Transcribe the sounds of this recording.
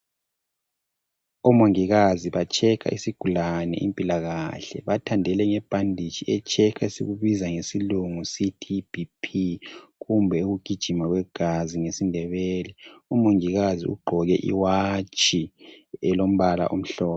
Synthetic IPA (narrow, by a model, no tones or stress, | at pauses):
ɔmoŋiɣaziβat͡ʃʼʰɛkʰa̰ʔisiɡ̥ʱulanɛ̰ʔimpʼilaɣaɬɛ̰βatʰandʱɛlɛŋɛb̥ʱandʱi̥t͡ʃʰʼiɛt͡ʃʰʼɛkʰaesiɣuβizaŋesiluŋusitʰib̥ʱipʰiɣumbʱɛuɣuɡ̥ʱid̥ʒ̥ʱimaɣwɛɡ̥ʱaziŋesindʱɛβɛːlɛumoŋiɣaziṵɡ͡ǃʱɔɣɛʔḭwat͡ʃʼʰiɛlom̩βala̰ʔom̩ɬɔːpɔ